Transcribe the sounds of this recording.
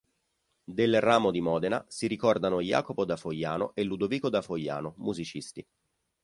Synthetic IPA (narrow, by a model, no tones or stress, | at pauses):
d̪elraːmod̪imɔːd̪enasiɾikɔrd̪anoja̰ːkopod̪afojːaːnoʔelːud̪oviːkod̪afojːa̰ːnomuzit͡ʃist̪i